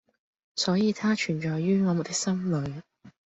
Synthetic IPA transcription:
sɔː˨˥jiː˨˧t̪ʰaː˥t͡ʃʰyː˨˩nt͡ʃɔː˨jːyː˥ŋɔː˨˧mu˨˩t̪ɪ˥k̚sɐ˥mlɵ˨˧ɥ

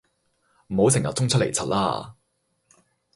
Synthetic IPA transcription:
m̩˨˩ho˨˥wsɪ˨˩ŋjɐ˨t̚t͡sʊ˥ŋt͡sʰt̚le˨˩jt͡sʰɐ˨t̚laː˥

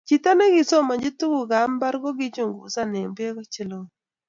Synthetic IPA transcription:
t͡ʃi˨t̪a˦ne˦ɡɪ˨so˦ma˨ɲd͡ʒɪ˦tu˦ɡu˨ɡa˨˦mba˦ɾɡɔ˦ɡɪ˦t͡ʃo˦˨ŋɡṵ˨sa˦nɛ˨ŋbe˦ɡɔ˦t͡ʃɪ˦˨lo˨

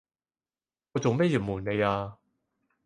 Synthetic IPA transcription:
ŋɔː˨˧t͡so˨ŋmɛː˥ji˨˩muː˨˩nne˨˧jaː˧

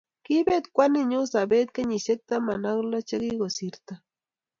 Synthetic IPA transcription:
ki˦be˦t̪kʷa˦niɲu˦sa˨be˦t̪̚ka˦ɲi˨se˦k̚t̪a˦ma˨na˦ɣla˦t͡ʃe˦ɣiɡo˨siɾt̪a

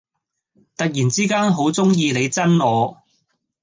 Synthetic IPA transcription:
t̪ɐ˨k̚jiː˨˩nt͡siː˥kaː˥nɦo˨˥wt͡sʊ˥ŋjiː˧le˨˧jt͡sɐ˥nɔː˨˧

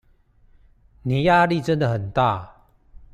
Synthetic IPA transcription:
ni˨˩˦ja˥˧li˥˨ʈ͡ʂə˦nd̪ə˨hə˨˩nt̪a̰˥˨

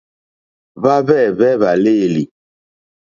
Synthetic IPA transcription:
βa˦βɛ˦˨βɛ˦βa˨leː˦˨li˨

